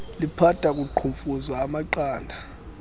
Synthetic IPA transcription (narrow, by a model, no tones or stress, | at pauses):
lipʰatʼak̬ʼuǃʰuɱfuzaːmaǃaːndʱa